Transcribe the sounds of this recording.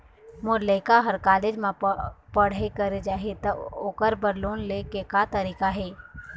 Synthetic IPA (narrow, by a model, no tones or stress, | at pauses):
mʊɾleːkaɦəɾkaːleːd͡ʒmãpəɽ̤ekəɾed͡ʒaːɦet̪ɐoːkəɾbəɾluːnlekekat̪əɾiːkaɦɛː